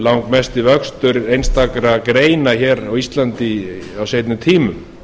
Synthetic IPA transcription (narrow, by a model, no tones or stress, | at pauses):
lawŋkmɛst̪ɪvœkst̪ʏɾejnst̪akɾakɾeːjnaçɛːɾawist̪lant̪ɪawsejt̪nʏt̪ʰiːmʏm